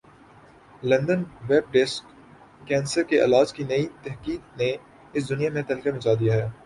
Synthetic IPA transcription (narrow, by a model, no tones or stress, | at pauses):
lɐ̃nd̪ənʋɛːb̚ɖɪskː | ɛ̃ːnsəɾkeʔɐ̰laːt͡ʃkinɐit̪ɛɦkiːd̪ne | ɪs̬d̪ʊnijamẽt̪ɐlkamɐt͡ʃaːd̪ijaɦɛː